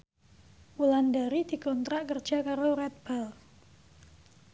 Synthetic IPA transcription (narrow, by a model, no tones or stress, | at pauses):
ʔulandaɾid̥i̤kɔnt̪ɾaʔkərd̥d͡ʒ̥a̤kaɾoɾɛt̪̚b̥al